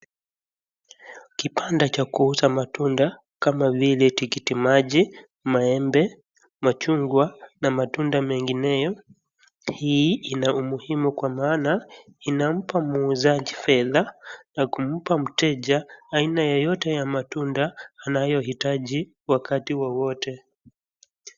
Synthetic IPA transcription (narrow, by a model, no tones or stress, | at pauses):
kipandat͡ʃakuusamatunda | kamavilɛtikitimaʄi | maɛmbɛ | mat͡ʃuŋɡwanamatundamɛŋɡinɛjɔ | hiinaumuhimukwamaːnainam̩pamuːzaʄifɛðanakum̩pam̩tɛʄaːinajɔjɔtɛjamatundaːnajɔhitaʄi | wakatiwɔwɔtɛ